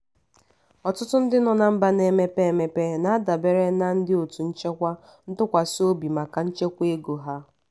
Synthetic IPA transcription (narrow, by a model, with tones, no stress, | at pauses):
ɔ˨tʊ˦tʊ˦n̩˦dɪ˦nɔ˨na˨m̩˦ba˦ne˨me˦pe˦˨me˦pe˦na˨a˦da˨be˦ɾe˦na˦n̩˦dɪ˦o˨tu˨n̩˦t͡ʃe˦kʷa˦ | n̩˦tʊ˦kʷa˨so˦bi˨ma˨ka˨n̩˦t͡ʃe˦kʷe˦ɡo˨ɦa˦